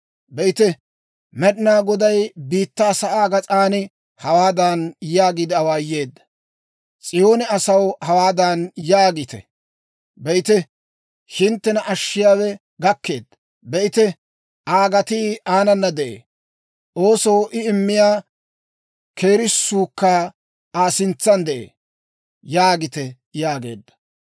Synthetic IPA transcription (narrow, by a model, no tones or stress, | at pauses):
bɛʔɪt̪ɛ | mɛɗɪnaːɡɔd̪ɐjbiːt̪ːaːsɐʔaːɡɐt͡sʼaːnɪ | hɐwaːd̪aːnjaːɡid̪ɪɐwaːjːe̞ːd̪ːɐ̥ | t͡sʼɪjo̞ːnɛɐsɐwhɐwaːd̪aːnjaːɡɪt̪ɛ̰ | bɛɪt̪ɛ | ʃɪnt̪ːɛnɐʔɐʃːɪjaːwɛ | ɡɐkːe̞ːd̪ːɐ | bɛɪt̪ɛ | ʔaːɡɐt̪iːaːnɐnːɐd̪ɛʔḛː | ʔo̞ːsowʔɪɪmːɪjaː | ke̞ːɾɪsːuːkːaː | aːsɪnt͡sːɐnd̪ɛʔḛː | jaːɡɪt̪ɛ | jaːɡe̞̰ːd̪ːɐ̥